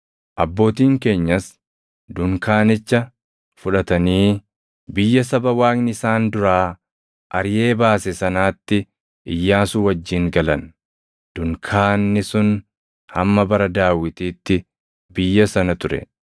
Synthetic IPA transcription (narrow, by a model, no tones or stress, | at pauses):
ʔɐbːo̞ːt̪iːŋke̞ːɲːɐs | d̪ʊŋkaːnɪt͡ʃːɐ | fʊᶑɐt̪ɐniː | bɪjːɐsɐbɐwaːknɪsaːnd̪ʊɾaː | ʔɐɾje̞ːbaːsɛsɐnaːt̪ːɪ | ʔɪjːaːsʊwɐd͡ʒːiːŋɡɐlɐn | d̪̥ʊŋkʰaːnːɪsʊn | hɐmːɐbɐɾɐd̪aːwɪt̪iːt̪ːɪ | bɪjːɐsɐnɐt̪ʊɾɛ̰